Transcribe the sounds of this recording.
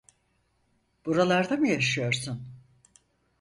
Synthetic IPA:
b̥uɾalˠaɾd̪amɯjaʃɯjo̞ɾsun

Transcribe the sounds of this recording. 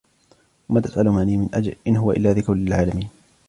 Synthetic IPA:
wamaːt̪ḁsʔalʊmaniːmɪnʔad͡ʒlʔɪnɦʊwaʔɪ̰lːaːðɪkawlɪlʕaːlamiːn

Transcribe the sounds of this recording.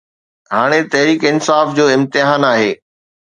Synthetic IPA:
ɦaːɽ̃et̪ɐɦɾiːkɪnsaːfd͡ʑoːɪ̃mt̪ɪɦaːnaːɦeː

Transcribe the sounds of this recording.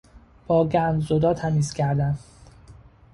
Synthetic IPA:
b̥ɒːɡænd̪zod̪ɒːt̪ʰæmiːscʰæɾd̪æn

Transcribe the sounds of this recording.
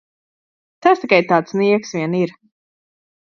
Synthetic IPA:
t̪ast̪ikajt̪aːt̪sniɛksvʲiɛniɾ

